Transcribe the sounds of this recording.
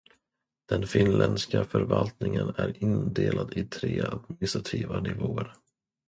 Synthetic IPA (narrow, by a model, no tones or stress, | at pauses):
d̪̥ɛnfɪnlʔɛnd̪skafœɾvalt̪nɪŋənæɾɪnd̪eːlad̪ɪt̪ʰɾeːad̪̚mɪnɪst̪ɾat̪ʰiːvanɪvoːəɾ